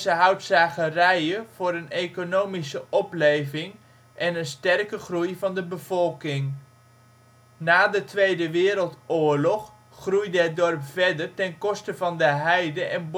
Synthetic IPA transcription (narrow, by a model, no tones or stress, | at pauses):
zəɦʌwtsaːχərɛjəv̥ʊːɾənejkonowmisəʔɔplejvɪŋ | ʔɛnənstɛrkəχrujvɑndəbəv̥ɔlˠkɪŋ | naːdətʋejdəʋɪːɾəlˠtʊːɹlɔχ | χrujdəɦət̚dɔrpfɛdərtɛnkɔstəvɑndəɦɛjdəʔɛnb